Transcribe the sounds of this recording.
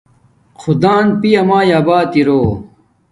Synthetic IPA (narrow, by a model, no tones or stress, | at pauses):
xʰud̪aːnpijɐmaːjaːbaːt̪iɾoː